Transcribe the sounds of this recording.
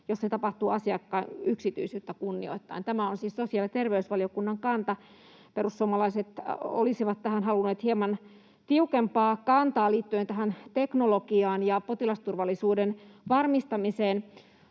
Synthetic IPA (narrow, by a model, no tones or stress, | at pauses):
josset̪ɑpɑht̪uɑsiɑkːɑːnyksit̪y̰isyːt̪ːækunːḭo̰it̪ːɑ̰int̪æmæonsiːssosiɑlit̪erʋeysʋɑliokunːɑŋkɑnt̪ɑ | perussuomɑlɑiset̪o̰lisiʋɑt̪t̪ːæhænhɑlunːeːt̪hiemɑn | t̪iukempɑːkɑnt̪ɑːliːt̪ːyent̪æɦænt̪eknolokiɑːnjɑpot̪ilɑst̪urʋɑlːisuːdenʋɑrmist̪ɑmiseːn